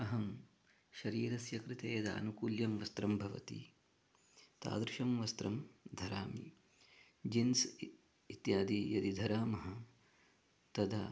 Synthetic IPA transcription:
ɐɦɐm | ʃɐɾiːɾɐsjɐkɾɪt̪eːjɐd̪a̰ːnukuːljɐmʋɐst̪ɾɐmbʱɐʋɐ̰t̪ḭ | t̪a̰ːd̪ɾiʃɐmʋɐst̪ɾɐmd̪ʱɐɾaːmḭ | d͡ʒins | it̪jaːd̪ijɐd̪id̪ʱɐɾaːmɐɦɐ̆ | t̪ɐd̪ʱaː

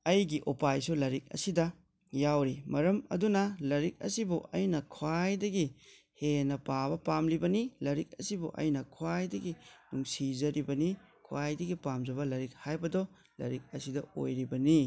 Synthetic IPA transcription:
ɐjɡiʔopajsulɐɾik̚ɐ̰sidɐ | jawɾimɐɾɐmɐ̰dunɐlɐɾik̚ɐ̰sibuʔɐjnɐkʰwajdɐɡi | henɐpabɐpamlibɐnilɐɾik̚ɐsibuʔɐ̰jnɐkʰwajdɐɡinuŋsizɐɾibɐni | kʰuwajdɐɡipamd͡ʒɐβɐlɐɾik̚hajbɐdɔ | lɐ̰ɾik̚ɐsidɐo̰jɾibɐni

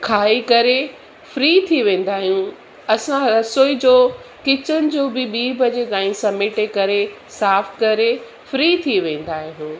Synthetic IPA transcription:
kʰaːikɐɾe | fɾiːt̪ʰiʋẽːn̆d̪aːɦijũ | ɐsãɐsoːid͡ʑoːkɪt͡ɕəñɪ̆d͡ʑoːbɪɓiːbɐd͡ʑekãːĩsɐmeːʈekɐɾe | saːfkɐɾe | fɾiːt̪ʰiʋẽːn̆d̪aːɦijũː

